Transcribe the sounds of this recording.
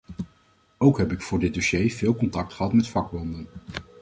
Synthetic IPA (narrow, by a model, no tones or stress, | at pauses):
owkɦɛpɪkfʊːɹdɪd̚doʃejvɪːlˠkɔntɑk̚tχəɦɑtmɛtfɑklɑndən